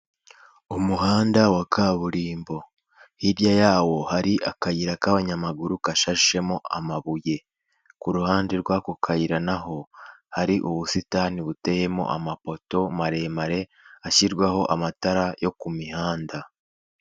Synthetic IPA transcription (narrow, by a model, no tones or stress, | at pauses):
umuɦaːndawakʰaβuɾiːmbo̞ | hibjajaːwo̞haɾiʔakajiɾakaβaɲamaɡuɾukaʃaʒiʃe̞mo̞a̰maβuje̞ | kuɾuhaːndeɾɡwakukʰajiɾanaɦo̞haɾiʔuβusitaniβute̞je̞mo̞̰ʔa̰mapo̞to̞maɾe̞maɾe̞ | açiɾɡwaho̞ʔamataɾajo̞kumihaːnda